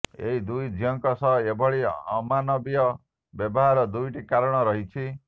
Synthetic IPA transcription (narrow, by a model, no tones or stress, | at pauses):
ḛɦid̪ujd͡ʒʱijɔŋkɔsɔebʱɔɭiɔmanɔbiɔ | bjɔbɔɦaɾɔd̪ujʈikaɾɔɽ̃ɔɾɔɦit͡ʃʰi